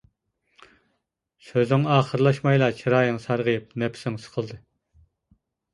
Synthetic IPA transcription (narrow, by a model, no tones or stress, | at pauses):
søzɪŋɑːχəɾlˠɑʃmɑjlˠɑt͡ʃʰiɾɑːjɨŋsɑɾʁəjɨp̚nɛpʰsɪŋsə̥qʰəlˠd̪ɨ